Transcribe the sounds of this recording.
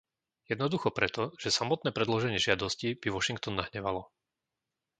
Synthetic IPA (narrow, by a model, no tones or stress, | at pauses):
jɛd̪nɔd̪uxɔpɾɛt̪ɔʒ̥ɛsamɔt̪̚nɛːpɾɛd̪lɔʒɛɲɪɛʒɪad̪ɔscib̥iʋɔʃiŋk̚t̪ɔnːaɦɲɛʋalɔ